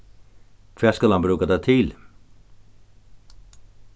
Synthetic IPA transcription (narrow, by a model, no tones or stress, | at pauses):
kʰʋɛːskɑlɑnbɾʉːkad̪æt̪ʰɪl